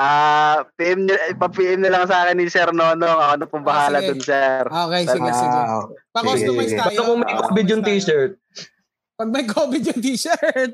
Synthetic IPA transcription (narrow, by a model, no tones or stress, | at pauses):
ʔaːpiʔɛmɐpɐpiːʔɛmnɐlɐŋsɐaːkɪnːɪsɛɾnonoŋɐkonɐpʊmbɐhaːlɐd̪ʊnsɛɾoːkɛjsipɐkooɐjbɐt̪ɐkoŋmɐjkobɪd̪jʊnt̪iːʃɛɹt̪̚ | pɐɡ̚mɐjkʰoːbɪd̪jʊnt̪iːʃɛɹt̪̚